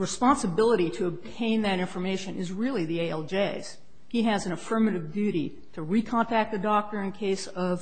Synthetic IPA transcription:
ɹɨspɑ̃nsɨbɪlˠəɾiɾɨːb̚tʰẽɪ̃nðɨɾɪ̃ɱfə˞meɪʃɨ̃nɨzɹɪlˠiðieɪɛlˠd͡ʒeɪz̥ | hiɨzɨ̃nəfɜ˞mɨɾɨvdʉɾi | ɾɨɹikʰɑ̃ntʰæk̚t̪̚ðɨdɔk̚tə˞ɨ̃nkʰeɪsʌv̥

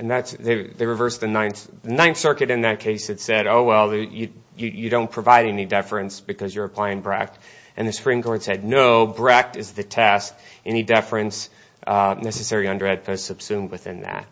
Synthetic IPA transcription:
ʔɨ̃nðætsðeɪðeɪɹɨvɜ˞sðɨnãɪ̃nθ | ðɨnãɪ̃nθsɜ˞kɨɾɨ̃nðɨt̚kʰeɪsɨtsɛɾoʊwɛlˠðəjɨ | jɨjɨɾõʊ̃npʰɹ̥ɨvaɪɾɛnidɛfɹɨ̃nsb̥ɨkʰʌzjə˞ɨpʰl̥aɪɪ̃ŋbɹæ̰k̚t | ʔɨ̃nðɨsə̥pʰɹ̥ĩmkʰɔɹtsɛdⁿnoʊbɹæk̚tɨzðɨtʰɛst | ɛnidɛfɹɨ̃ns | nɛsɨsɛɹiʌ̃ndə˞ɛd̚pʰɨ̥sʌb̥sʉ̃md̚wɨθɪ̃nðæ̰t̚

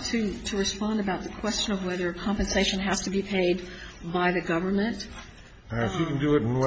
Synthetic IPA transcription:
tʰɨɾɨɹɨspɑ̃ndɨbaʊt̪̚ðɨkʰw̥ɛst͡ʃɨ̃nʌvwɛðə˞ɨkʰɑ̃mpɨ̃nseɪʃɨ̃nɦɨz̥tɨbipʰeɪd̚baɪðɨɡʌvə˞mɨ̃nt | fjɨkn̩dɨɪɾn̩w

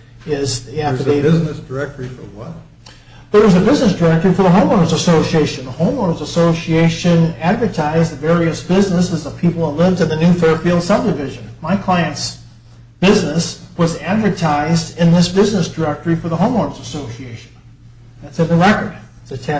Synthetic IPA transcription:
ɪziæɨeɪɪznɨsd̥ə˞ɛk̚tifə̰˞wʌ̰t | ðə˞wʌzɨbɪznɨsd̥ə˞ɛk̚tə˞ifə˞ðəɦõʊ̃mɔɹzəsoʊsieɪʃɨ̃n̩ðəhõʊ̃mlɔɹzəsoʊsieɪʃɨ̃nædvə˞tʰaɪzðɨvɛɹiɨsb̥ɪznəsɨzʌv̥pʰipl̩ˠəlɪvdɨ̃nðɨnʉfɛɹfilˠd̥sʌb̚dɨvɪʒɨ̃nmaɪkʰl̥aɪɨ̃nts | b̥ɪznɨswʌzædvə˞tʰaɪzdɪ̃nðɪsb̥ɪznɨsd̥ə˞ɛk̚tə˞ifə˞ðəɦõʊ̃mɔɹzəsoʊsieɪʃn̩ | ðætsɨ̃nðəɹɛkə˞d̥̚ | sɨtʰæ

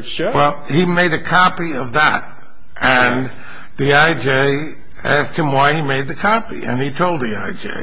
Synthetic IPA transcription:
wɛlˠhimeɪɾɨkʰɑpiʌvðə̰t̚ | ʔɨ̃n | ðiaɪd͡ʒeɪ | æst̚hɨ̃mwaɪimeɪd̪̚ðɨkʰɑpḭʔɨ̰̃nitʰoʊlˠd̪̚ðiaɪd͡ʒḛɪ

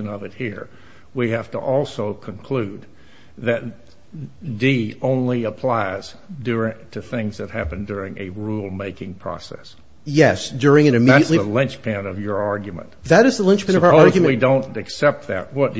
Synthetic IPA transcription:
ɨ̃nʌvɨt̚hiɹ | wihæftə̰ʔɔlˠsoʊkʰə̃nkʰl̥ʉd̪̚ | ðɨt̪̚ | diõʊ̃nliəpʰl̥aɪz̥ | dʊɹɪtʰɨθɪ̃ŋzðɨt̚hæpɨ̃ndʊɹɪ̃ŋɨɹulˠmeɪkɪ̃ŋpʰɹ̥ɔ̰sɛ̰s | jɛsd̥ʊɹɪ̃ŋɨ̃nɨmiætɨʔsˡliəlɪ̃nt͡ʃpʰɨ̃nʌvjə˞ɑɹɡjɨmə̰̃ntðɨɾɨzðəlɪ̃nt͡ʃpʰñəvəɑɹzɡmwidõʊ̃ntɨksɛp̚t̪̚ðɨ̰t̚wʌt̚d̥

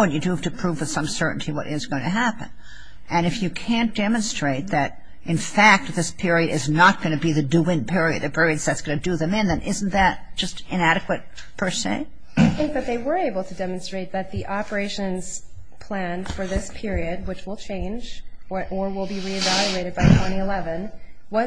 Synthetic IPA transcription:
ə̃njɨdɨv̥tʰɨpʰɹ̥uvɨð̥sʌ̃msɜ˞ʔn̩tʰiwʌ̰ɾʔɪzɡ̥oʊɪ̃tʰɨɦæpɨ̰̃n | ɨ̃ñɨfjɨkʰæ̃nd̥ɛmə̃nstɹ̥eɪt̪̚ðɨɾ | ʔɨ̃nfæk̚t̪̚ðɪspʰɪɹiɨɾɨ̰znət̚ɡ̥ʌnɨbiðɨdʉɪ̃npʰɪɹiɨ̰d̪̚ðɨpʰɪɹiɨdzðɨtsɡ̥ʌnɨdɨðɨ̃mɪ̃nðɨ̃nʔɪzn̩ðɨɾ̚d̥ʒ̥ʌstɨ̃næɾɨkwɨt̚ | pʰə˞sḛɪ | aɪθɪ̃ŋk̚ðɨt̪̚ðeɪwə˞eɪbl̩ˠtʰɨdɛmɨ̃n̩stɹ̥eɪt̪̚ðɨt̪̚ðiʔɑpə˞eɪʃɨ̃nz̥ | pʰl̥æ̃nfə˞ðɪspʰɪɹiɨd̚wɨt͡ʃwəlˠt͡ʃʰẽɪ̃nd͡ʒʔə˞wɪlˠbiɹiɨvælˠjʉeɪɾɨd̚baɪtʰw̥ɛ̃ɾ̃iɨlɛvɨ̃n | wʌ

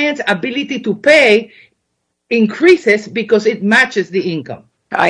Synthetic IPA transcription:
jə̃nsabilit̪it̪upej | ɪ̃ŋkʰɹisɪsbikɔsɪt̚mæt͡ʃɨsðiɪ̃ŋkə̰̃m | a̰

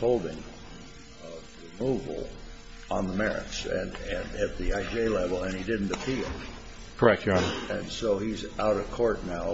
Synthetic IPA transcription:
oʊlˠdɪ̃ŋ | ʌvɹɨmuv̰l̩ˠ | ə̰̃nðəmɛɹɨ̰tsɨ̰̃nɨ̃nɨt̪̚ðiaɪd͡ʒeɪlɛvl̩ˠɨ̃nidɪdⁿn̩tɨpʰilˠ | kʰə˞ɛk̚tɑ̃nɨ̃nsoʊizaʊɾʌv̥kʰɔɹtⁿnaʊ

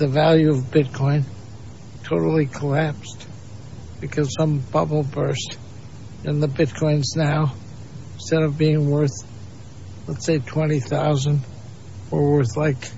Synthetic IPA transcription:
ðɨvælˠjʉʌvbɪt̚kʰɔ̃ɪ̃n | tʰoʊɾl̩ˠikʰəlæpst | b̥ɨkʰʌz̥sʌ̃mb̥ʌbl̩ˠbɜ˞st | ɨ̃nðɨbɪt̚kʰɔ̃ɪ̃nznaʊ̃ | n̩stɛɾʌvbiɪ̃ŋwɜ˞θ | lətseɪtʰw̥ɛ̃ɾ̃iθaʊzɨ̃nd | ə˞wɜ˞θlaɪk

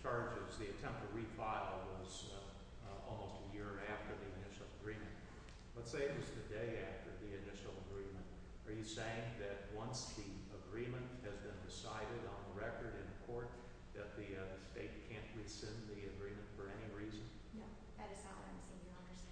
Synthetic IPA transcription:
t͡ʃʰɑɹd͡ʒɪzðiɨtʰɛ̃mp̚tʰɨɹifaɪlˠwʌz | ɔ̰lˠmoʊstɨjɪɹæftə˞ðiɨnɪʃl̩ˠəɡɹĩmɨ̃nt | lətseɪɨʌzðɨdeɪæftə˞ðiɨnɪʃl̩ˠəɡɹĩmɨ̃nt | ə˞jɨseɪɪ̃ŋðɨt̚wʌ̃nsðiəɡɹĩmɨ̃nʔhɨzbɨ̃ndɨsaɪɾɨɾn̩ðəɹɛkə˞ɾɨ̃nɨkʰɔɹt̪̚ | ðɨt̪̚ðiðɨsteɪt̚kʰæ̃nʔwɪ̥sɪ̃nðiɨɡɹĩmɨ̃ntfə˞ɛniɹizɨ̃n | j | ðɨɾɨz̥aãsĩnjə˞ʌ̃ndə˞

